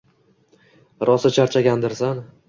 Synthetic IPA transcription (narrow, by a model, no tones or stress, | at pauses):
ɾʔɒsat͡ʃʰaɾt͡ʃʰaɡʲand̪ɪɾsan